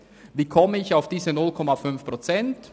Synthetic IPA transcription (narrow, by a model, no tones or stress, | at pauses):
viːkʰɔməɪçaʊfd̥iːzənʊlkʰɔmafʏnfpʁ̥ot͡sɛnt